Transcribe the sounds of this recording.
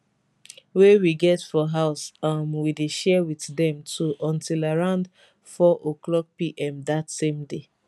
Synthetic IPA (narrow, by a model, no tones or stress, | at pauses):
wewiɡɛtfɔɦaʊsamwideʃɛwiθdɛ̃mtʰuʔɔ̃ntilaɹãʊ̃nd | fɔʔoklɔk̚piʔɛ̃mðatsẽmde